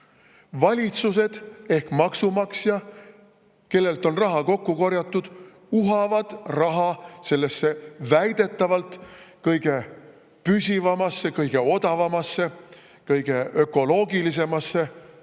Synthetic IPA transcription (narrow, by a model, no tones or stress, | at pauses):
vɑlʲit̪suse̞d̪̥e̞hkmɑksumɑksjɑ | ke̞lːe̞lt̪ˑo̞nrɑɦɑko̞kːuko̞ɾjɑt̪ːˑud̪̥ | uɦɑvɑd̪̥rɑɦɑse̞lːesːe̞væjd̪̥e̞t̪ːˑɑvɑlt̪kɤjɡ̥e̞ | pysʲivɑmɑsːe̞kɤjɡ̥e̞o̞d̪ɑvɑmɑsːe̞ | kɤjɡ̥e̞ø̞kːˑo̞lo̞ːɡilis̬e̞mɑsːe̞